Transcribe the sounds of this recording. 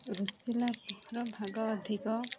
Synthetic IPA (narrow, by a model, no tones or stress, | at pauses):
ɾusilapuhɾɔbʱaɡɔːd̪ʱikɔ